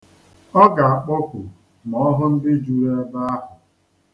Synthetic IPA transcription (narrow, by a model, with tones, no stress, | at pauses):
ɔ˦ɡa˨a˨k͡pɔ˦kʷʊ˨ | mɔ˨ɔ˦ɦʊ˦n̩˦dɪ˦d͡ʒu˦ɾe˦ba˦a˦ɦʊ˨